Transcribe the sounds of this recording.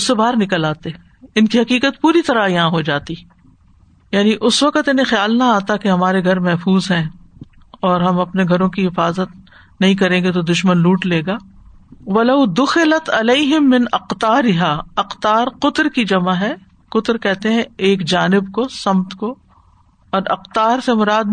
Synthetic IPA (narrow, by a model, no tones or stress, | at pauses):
ʊsːebaːɾnɪkəlaːt̪e | ɪnkiɦɐqiːqət̪puːɾit̪ɐɾajɐɦãɦod͡ʒaːt̪i | jaːniʔʊsʋɐqət̪ɪnɦẽxjaːlnaaːt̪akeɦɐmaːɾeɡʱɐɾmɛɦfuːzɦɛ̃ː | ɔːɾɦɐmɐpneɡʱɐɾõkiɦɪfaːzət̪ | nɐɦĩkɐɾẽːɡet̪̬od̪ʊʃmənluːʈleːɡaːʋɐlɐʊd̪ʊxɪlɐt̪ɐleːɦɪmːɪnɐqt̪aːɾɪɦaːɐqt̪aːɾqʊt̪ɾkid͡ʒɐmaɦɛ | qʊt̪ɾkɛɦt̪eɦɛ̃eːkd͡ʒaːnɪbkosɐmt̪ko | ɔːɾɐqt̪aːɾsemʊɾaːd̪̚